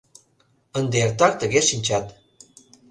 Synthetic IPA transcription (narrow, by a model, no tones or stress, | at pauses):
ənd̪eert̪ɑk̚t̪əɣʲeʃinʲt͡ɕɑt̪